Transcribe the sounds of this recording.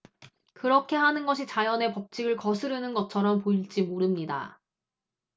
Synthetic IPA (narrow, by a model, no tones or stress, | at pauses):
kɯɾʌkʰe̞ɦanɯnɡʌɕʰit͡ɕajʌne̞pʌp̚t͡ɕ͈ʰiɡɯɭkʌsʰɯɾɯnɯnɡʌt͡ɕʰʌɾʌmpoiɭd͡ʑimoɾɯmɲida̰